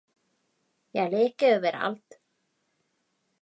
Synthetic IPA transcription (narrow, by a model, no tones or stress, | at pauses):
jɛɣlɪːcɪœvɪɾa̰lt̪